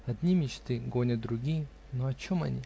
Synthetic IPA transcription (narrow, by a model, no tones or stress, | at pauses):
ɐd̪ʲnʲimʲɪt͡ɕt̪ɨɡo̞nʲət̪̚d̪ɾʊɡʲijə | noɐt͡ɕomɐ̰nʲḭ